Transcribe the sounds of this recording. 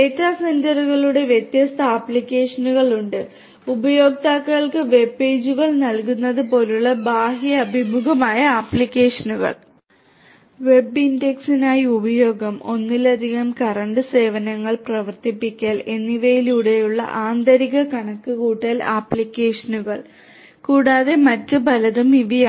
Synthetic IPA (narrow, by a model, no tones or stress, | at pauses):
eːtːaːsɐndɐɾuɣɐɭuɽe̞ʋjet̪jɐst̪ɐaːpːɭikʲːe̞ːʂɐnuɣɐɭuɳɖɨ | ubɐjo̞ːɡ̚t̪aːkːɐɐɭkɨʋe̞bːe̞ːd͡ʑuɣɐɭnɐlkunːɐðɨpo̞ːluɭːɐbaːɦjɐɐbʱimuɣɐmaːjɐaːpɭikʲːeːʂɐnuɣɐ̰ɭ | ʋe̞bindeksinaːjiubɐjo̞ːɡɐmo̞nːilɐd̪ʱiɣɐmkɐrɐɳɖɨse̞ːʋɐnɐŋːɐɭprɐʋɐrt̪ipːikʲːaːle̞nːiʋejiluɽejuɭːɐ̰ʔaːnd̪ɐɾiɣɐkɐɳɐkːɨkuːʈːɐlaːpːɭikʲːeːʂɐnuɣɐɭ | kuːɽaːðe̞mɐtːɨbʱɐlɐðumiʋija